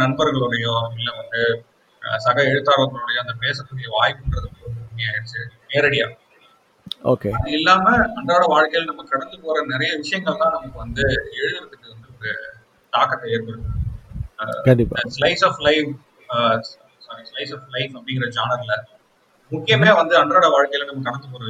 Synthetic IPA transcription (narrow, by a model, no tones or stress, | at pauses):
nɐnbɐɾɣɐɭoɽɐjoːɪlːɐʋɐnd̪ɯ | sɐɣɐɛɻɯt̪ːaːɽɐʋɐɾɡɐɭɔːɽɐjoːɐnd̪ɐpeːs̬ɐpːɐɳːɪjɐʋaːjpːɳɖɾɐðɯpːoːɐɐnd̪ɯnːiaːɪɾɯt͡ʃːɯmeːɾɐɽɪja̰ː | o̰ːkeɐðɯɪlːaːmɐɐnd̪aːɽɐʋaːɻkɐjɐlnɐmːɐkɐɽɐnd̪ɯpoːɾɐnɪɾɐjɐʋɪʂɐjɐŋɡɐɭt̪ãːnɐmɐkːɯʋɐnd̪ɯɛɻɯðɪɾɯt̪ːɯkːɯʋɐnd̪ɯɔɾɯ | ʈaːkːɐt̪ːɐeːɾpɐɽɯ | kɐɳɖɪpːa̰slɐɪsaːflɐɪf | sɐɾslɐɪsaːflɐɪfɐpːɐɽɪŋɡɪɾɐd͡ʒaːnɐɾlɐ | mʊkːɪjɐmaːʋɐnd̪ɯɐɳɖɾaːɽɐʋaːɻkɐjɐlnɐmːɐkɐɽɐnd̪ɯpoːɾɐʋ